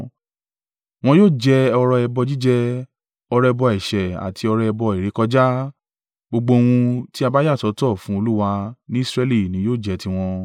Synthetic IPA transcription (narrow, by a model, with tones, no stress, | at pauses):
w̃ɔ̃˧joː˦˨d͡ʒɛ˧ɔ˧ɾɔ˧ɛ˧bɔ˧d͡ʒi˦d͡ʒɛ˧ | ɔ˧ɾɛ˧bɔ˧ɛ˨ʃɛ˨a̰˨tʰi˧ɔ˧ɾɔ˧ɛ˧bɔ˧i˨ɾe˨˦kɔ˧d͡ʒa˦ | ɡ͡bo˧ɡ͡bo˧o˧w̃ũ˧ti˦a˧ba˦ja˦˨tɔ˨˦tɔ˦˨fũ˨˦o˧lu˦wa˧nĩ˦i˦˨sɾɛ˧li˦˨nĩ˨˦joː˦˨d͡ʒɛ˧˦ti˧w̃ɔ̃˧